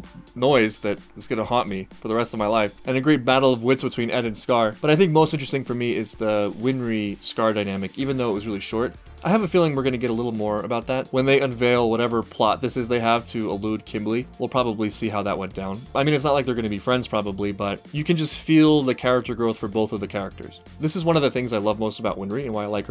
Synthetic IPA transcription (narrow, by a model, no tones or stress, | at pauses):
nɔɪzðɨɾɪtsɡ̥ʌnəhɑ̃nʔmifə˞ðəɹɛstʌvmaɪlaɪfɨ̃nɨɡɹeɪt̚b̥æɾl̩ˠʌvwɪtsbɨtʰw̥ĩnɛɾɨ̃nskɑɹb̥ʌɾaɪθɪ̃ŋk̚moʊstɪ̃nt͡ʃɹ̥ɨstɪ̃ŋfə˞miɪzðɨwɪ̃nɹiskɑɹdaɪñæmɨkivɨ̃nðoʊət̚wʌzɹɪlˠiʃɔɹt̚ | ʔaɪɨvɨfilˠɪ̃ŋwɨɹɡʌnɨɡɛɾəlɪɾl̩ˠmɔɹə̰baʊt̪̚ðæt̚wə̃nðeɪʔɨ̃ɱveɪlˠwʌɾɛvə˞pʰl̥ɑt̪̚ðɪsɨzðeɪəv̥tʰɨəlud̚kʰɪ̃mblˠiwɪlˠpʰɹ̥ɑbəblisiɦaʊðə̰ʔ̚wɛ̰̃nd̥ãʊ̃nʔaɪmĩnɨtsnət̚ˡlaɪk̚ðə˞ɡʌnɨbifɹɛ̃ndz̥pʰɹ̥ɑbəblibʌt͡ʃɨkɨ̃nd͡ʒʌstfilˠðɨkʰɛɹɨk̚tə˞ɡɹoʊθfə˞boʊθʌvðɨkʰɛɹɨk̚tʰə̰˞z̥ | ðɪsɨzwʌ̃nʌvðɨθɪ̃ŋzaɪlʌvmoʊstəbaʊʔ̚wɪ̃nɹiɨ̃nwaɪalaɪkə˞